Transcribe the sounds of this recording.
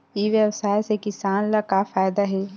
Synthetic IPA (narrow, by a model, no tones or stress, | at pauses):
iʋjɐwsaːjsekɪsaːnlakafaːjd̪aɦɛː